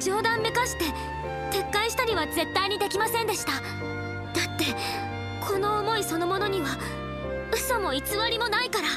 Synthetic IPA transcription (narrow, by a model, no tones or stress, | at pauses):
d͡ʑo̞ːd̪ãmːe̞kaɕi̥t̪e̞ | t̪e̞kːaiɕi̥t̪aɾʲiβaze̞t̪ːaiɲ̟id̪e̞kʲimasẽ̞nd̪e̞ɕi̥t̪a | d̪̥at̪ːe̞ | kʰo̞no̞ːmo̞iso̞no̞mo̞no̞ɲ̟iβa | ɯ̟somo̞it͡sɨβaɾʲimo̞naikaɾa